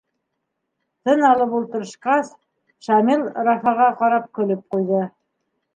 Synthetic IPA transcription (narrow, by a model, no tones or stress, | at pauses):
t̪ɤnɑlˠɤpulˠt̪ɤ̆ɾɤ̆ʃqɑs | ʃɑmilˠɾɑfɑʁɑqɑɾɑp̚kɵ̆lɘp̚qujðɤ